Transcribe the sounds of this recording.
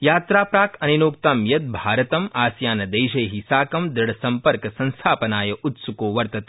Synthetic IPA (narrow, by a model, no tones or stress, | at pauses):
jaːt̪ɾaːpɾaːkʰɐninoːkt̪amjɐt̪̚bʱaːɾɐt̪ɐmaːsjaːnɐd̪ejʃɐjɦisaːkɐmd̪ɪɽɐsɐmpɐɾkɐsɐ̃nst̪ʰaːpɐnaːjɐʔut̪sukoːʋɐɾt̪ɐt̪